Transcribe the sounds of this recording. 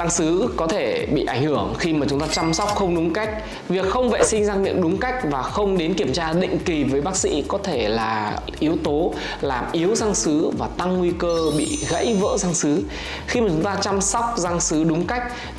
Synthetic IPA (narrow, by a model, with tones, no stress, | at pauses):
za˧ŋsɨ˨˦kɔ˨˦t̪ʰe˧˩ɓḭ˧˨ʔa˧˩jŋ̟hɨ˧˩əŋxi˧maː˨˩t͡ɕʊ˨˦ŋ͡mt̪aː˧t͡ɕa˧msɔ˦˥wk͡p̚xə˧wŋ͡mɗʊ˨˦ŋ͡mka˦˥jk̟̚ | vi˨˩ək̚xə˧wŋ͡mvḛ˧˨sï˧ŋ̟zaː˧ŋmḭ˧˨ənɗʊ˨˦ŋ͡mka˦˥jk̟̚vaː˨˩xə˧wŋ͡mɗe˨˦nki˧˩əmt͡ɕaː˧ɗḭ̈˧˨ŋ̟ki˨˩vəː˨˦jɓaː˦˥k̚sḭ˧˥kɔ˨˦t̪ʰe˧˩laː˨˩ʔi˨˦əwt̪o˨˦ | laː˨˩mʔi˨˦əwza˧ŋsɨ˨˦vaː˨˩t̪a˧ŋːwi˧kəː˧ɓḭ˧˨ɣə̰˧˥jvə̰ː˧˥za˧ŋsɨ˨˦ | xi˧ma˨˩t͡ɕʊ˨˦˥t̪aː˧t͡ɕa˧msɔ˦˥wk͡p̚za˧ŋsɨ˨˦ɗʊ˨˦ŋ͡mka˦˥jk̟̚